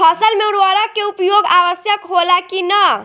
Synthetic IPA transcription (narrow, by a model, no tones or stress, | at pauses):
pʰʌsəlmeɾaɾakeupjoɡawəsjəkɦolakinə